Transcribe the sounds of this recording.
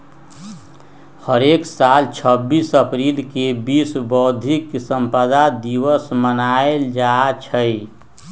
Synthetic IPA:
həɾeksalt͡ʃʰəbːisəpɾilkebisbɔʊd̪ʱiksə̃mpəd̪ad̪iwəsmənaeld͡ʒat͡ʃʰəi

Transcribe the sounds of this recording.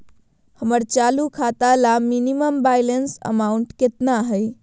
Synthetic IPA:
həməɾt͡ʃalukʰat̪alaminiməmbajlensə̰mauɳʈket̪naɦəɪ

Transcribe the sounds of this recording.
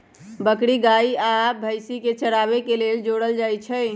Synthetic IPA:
bəkɽiɡaiabʱəjsiket͡ʃəɽabekeleld͡ʒoɽəld͡ʒajt͡ʃʰɛj

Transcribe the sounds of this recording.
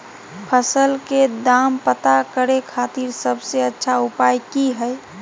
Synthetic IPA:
pʰəsəlked̪ampət̪akəɾekʰat̪iɾsəbseətːʃʰaupajkiɦəj

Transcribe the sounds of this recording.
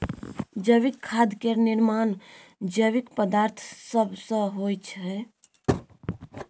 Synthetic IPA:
d͡ʒəʋikʰːad̪keniɾmaːnd͡ʒəwikpəd̪aːɾt̪ʰsəbʱsə̃ɦojt͡ʃʰɛ

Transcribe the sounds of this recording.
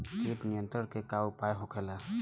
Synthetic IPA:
siʈnijənt̪ɾəɾkekawpajɦɔkʰɛla

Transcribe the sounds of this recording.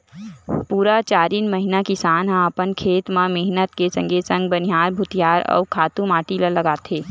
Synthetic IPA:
puːɾat͡ʃaːɾiːnməɦinakɪsaːnɦə̃ɐpənkʰeːt̪mãmeɦnət̪kesə̃ŋɡʱesə̃ŋɡbənɪɦaːɾbʱʊt̪ijaːɾɔ̰ːɾkʰaːt̪ũmaːʈilələɡaːt̪eː

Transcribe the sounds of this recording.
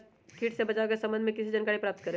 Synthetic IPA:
kʰiːʈʰsebɐt͡ʃakesɐ̃mbə̃nd̪mẽkɪsid͡ʒənkaːɽipɾaːp̚t̪kəɾẽ

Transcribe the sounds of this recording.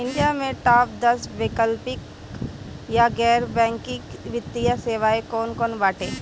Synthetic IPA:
ɪ̃ɳɖijamẽʈaːp̚d̪ɐsbeːkəlpɪk | jaɡɛːɾbɛ̃ːŋkɪkʋɪt̪ːijaseːʋaːekoːnkoːnbaːʈeː

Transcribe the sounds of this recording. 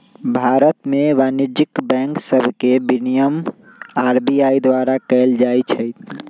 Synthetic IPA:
bʱaɾət̪meʋanid͡ʒikbɛ̃ŋksəbʱkebinijəm | aɾbiaid̪ʋaɾakəɪld͡ʒajt͡ʃʰəjt̪ʰ

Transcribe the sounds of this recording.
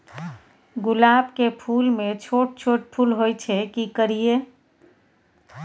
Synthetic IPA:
ɡulabkepʰulmet͡ʃʰoʈ̚t͡ʃʰoʈ̚pʰulɦojt͡ʃʰɛkikəɾije

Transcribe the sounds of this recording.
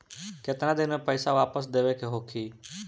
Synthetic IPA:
ket̪ɾãd̪ɪnpəɪsãʋaːpəs̬d̪eːʋekʰeːɦoːkʰiː

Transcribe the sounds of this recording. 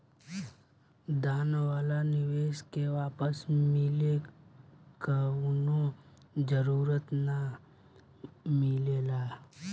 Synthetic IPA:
d̪aːnwaːlanɪʋeːʃkeʋaːpəsmɪle | kaʊnõ | d͡ʒəɾuːɾət̪na | mɪleːlaː

